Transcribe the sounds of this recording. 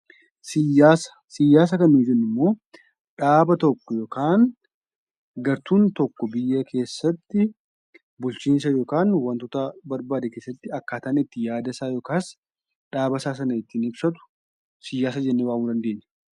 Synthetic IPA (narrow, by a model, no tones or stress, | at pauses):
sɪjaːsɐ̥sɪjːaːs̬ɐkɐnid͡ʒɛnːɪmːo̞ː | ᶑaːbɐt̪ɔkːɔjoːkʰaːn | ɡɐɾt̪uːnt̪ɔkːɔbɪjːɐkʰe̞ːsːɐt̪ːɪ | bʊlt͡ʃiːns̬ɐjoːkaːnwɐnt̪ʊt̪ɐbɐɾbaːd̪eke̞ːsːɐt̪ːɪɐkːaːt̪aːnɪt̪ːɪjaːd̪ɐsaːjoːkaːs | ᶑaːbɐsaːs̬ɐnɐɪt̪ːɪnɪbsɐt̪ʊ̥ | sɪjːaːs̬ɐd͡ʒɛnːewaːmuːd̪ɐnd̪e̞ːɲːɛ̥